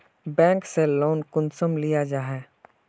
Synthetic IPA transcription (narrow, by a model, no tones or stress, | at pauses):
bɛ̃ːŋkseloːnkʊnsəmlijad͡ʒaːɦɛː